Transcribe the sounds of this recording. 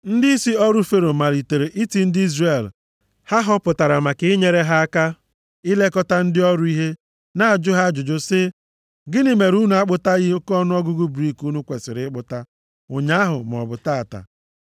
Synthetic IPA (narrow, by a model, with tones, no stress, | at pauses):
n̩˦dɪ˦i˦si˦ɔ˦ɾʊ˦fe˦ɾo˨ma˨ɾi˨te˨ɾe˨ʔi˦ti˦n̩˦dɪ˦i˦zre˨l | ha˦ɦɔ˦pʊ˨ta˨ɾa˨ma˨kɪ˦ɲe˦ɾe˦ɦa˦a˦ka˦ | ɪ˦le˦kɔ˦ta˦n̩˦dɪ˦ɔ˦ɾʊ˦i˦ɦe˦ | na˦˨a˨d͡ʒʊ˦ɦa˦d͡ʒʊ˨d͡ʒʊ˦sɪ˦ | ɡɪ˦nɪ˨me˨ɾu˦nu˨˦a˦k͡pʊ˦ta˦ɣɪ˦o˦kɔ˦nʊ˦ɔ˦ɡʊ˦ɡʊ˦bɾi˦ku˦nu˦kʷe˨sɪ˨ɾɪ˦k͡pʊ˦ta˦ | ʊ˨ɲa˦ɦʊ˨m˨ɔ̰˨bʊ˨ta˦a˨ta̰˨